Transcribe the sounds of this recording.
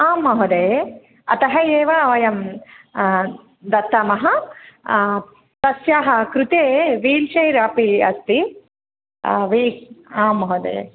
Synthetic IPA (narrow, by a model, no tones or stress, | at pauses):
aːmɐɦod̪eː | ɐ̰t̪ɐɦɐeːʋɐʋɐjɐm | d̪ɐt̪ːɐmɐɦɐ | t̪ɐsjaːɦɐ̆kɾut̪eːʋiːlʃɐjɾaːpiɐ̰st̪i | ʋiːaːmːɐɦod̪ḛː